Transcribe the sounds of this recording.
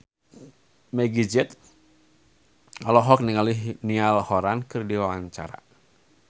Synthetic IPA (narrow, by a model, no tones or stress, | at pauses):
mɛɡid͡ʒɛt̪ | alɔɦɔk̚niŋalihnialhɔɾankɨrdiwawaɲt͡ʃa̰ɾa̰